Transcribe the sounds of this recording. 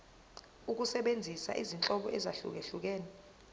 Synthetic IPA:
uk̬usɛɓend͡zʱisa̰ʔḭzint͡ɬʼɔɓɔʔɛzaɬṵk̬eɬuk̬ɛːnɛ

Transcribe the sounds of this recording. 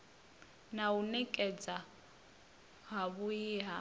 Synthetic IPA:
naunɛkʼɛd͡za | ɦaβujiɦa

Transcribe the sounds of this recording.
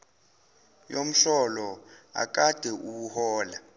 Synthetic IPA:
jom̩ɬɔlɔa̰k̬ʼad̥ʱɛʔuwuhɔːla

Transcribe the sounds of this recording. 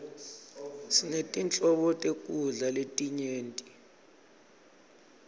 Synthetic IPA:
sinetʼint͡ɬʼɔɓɔtʼekʼuɮaletʼiɲeːntʼi

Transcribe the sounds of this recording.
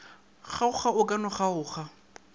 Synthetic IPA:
χaʊχaʊkʼanɔχaʊːχa

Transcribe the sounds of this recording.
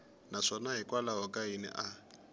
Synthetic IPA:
naʂɔnaɦikʼwalaɦɔkʼainɛ̰ʔa

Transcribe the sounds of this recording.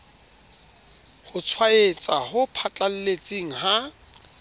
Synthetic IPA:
hʊt͡sʰwaet͡sʼahʊpʰat͡ɬʼal̩let͡sʼiŋ̩ɦa

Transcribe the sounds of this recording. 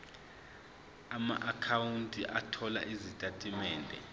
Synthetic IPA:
ama̰ʔakʰawuntʼiʔatʰɔla̰ʔizitʼatʼimɛːndʱɛ̰

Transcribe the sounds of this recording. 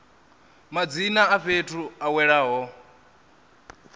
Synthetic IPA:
mad͡zinaːɸetʰuawɛɺaɦɔ

